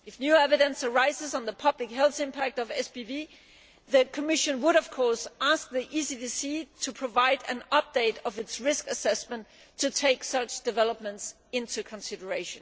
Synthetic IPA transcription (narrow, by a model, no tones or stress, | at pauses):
ɨfnjʉɛvɨɾɨ̃nsə˞aɪzɨzn̩ðəpʰʌblɨkɦɛlˠθɪ̃mpʰæk̚tʌvɛsb̥ibi | ðɨkʰəmɪʃɨ̃nwəɾʌv̥kʰɔɹsæsk̚ðiʔisidisitʰəpʰɹ̥əvaɪɾɨ̰̃nʌp̚d̥eɪɾʌvɨtsɹɪskɨsɛsmə̃n | tʰːɨtʰeɪksʌt͡ʃd̥ɨvɛlˠəp̚mə̃nts | ɪ̃ntʰʉkʰə̃nsɪɾə˞eɪʃɨ̃n